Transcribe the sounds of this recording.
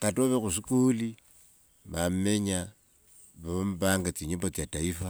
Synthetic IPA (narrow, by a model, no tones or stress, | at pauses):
katoβexusikuːli | mammeɲa | βaombaːŋɡat͡siɲobot͡siataifa